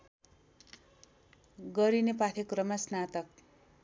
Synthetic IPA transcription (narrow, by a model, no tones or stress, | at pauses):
ɡʌɾinepat̪ʰekrʌmasnat̪ʌk̚